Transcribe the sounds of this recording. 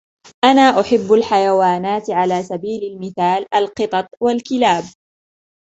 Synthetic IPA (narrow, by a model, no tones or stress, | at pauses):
ʔanaːʔʊħɪbːalħajawaːnaːt̪ʕalaːsabiːlalmɪθaːlʔalqɨt̪ˤɑt̪ˤwalkɪlaːb̚